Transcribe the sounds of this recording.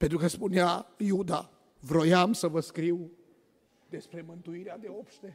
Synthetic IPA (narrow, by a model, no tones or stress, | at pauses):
ped̪ɾuɣɐspunjaiud̪a | vɾojamsɐvɐskɾiw | d̪espɾemɐ̃nt̪uiɾad̪ewopʃt̪e